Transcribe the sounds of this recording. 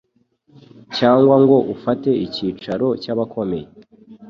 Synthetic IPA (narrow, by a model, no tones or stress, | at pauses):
caːŋɡwaŋɡwo̞ʔufate̞iciːt͡ʃaɾo̞caβakʰo̞me̞je